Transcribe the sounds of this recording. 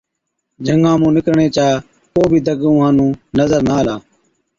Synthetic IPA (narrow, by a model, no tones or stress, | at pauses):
d͡ʒʱəŋãːmũːnɪkɾɳeːt͡ʃaː | koːbʱiːd̪əɡũːɦãːnũːnəzəɾnaːlaː